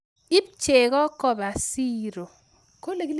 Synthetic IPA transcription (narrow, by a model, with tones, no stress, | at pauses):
i˦p̚t͡ʃe˨ɣɔ˦kɔ˦˨ba˨si˦ɾo˨ | ko˦le˨˦l